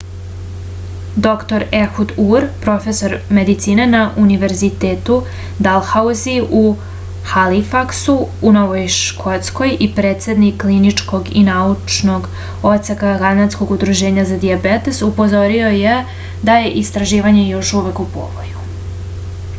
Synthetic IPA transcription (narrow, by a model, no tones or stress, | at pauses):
d̪o̞kt̪o̞ɾeɾxud̪uɾpɾo̞fe̞so̞ɾme̞d̪it̪siːnenaʔuniʋe̞ɾzit̪eːt̪u | d̪alxauziu | xalifaksuːno̞ʋojʃkʰo̞t̪sko̞jʔipɾeːt̪se̞d̪nikːlinit͡ʂko̞ɡḭnaut͡ʂno̞ɡ | o̞t̪sekaɡanat̪sko̞ɡud̪ɾuʒe̞ːɲazad̪iabet̪esupo̞zo̞ɾio̞je̞ | d̪aje̞ʔist̪ɾaʒiːʋaɲe̞jo̞ʃuʋe̞kupo̰ʋo̰ju